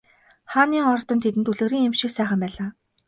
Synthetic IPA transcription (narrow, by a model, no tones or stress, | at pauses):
χaːniːŋɔrt̪ɞ̆nt̪ʰet̪ɘ̆nt̪uɮɘ̆ːɾiːŋemʃĭksæːχə̆mpæːɮaː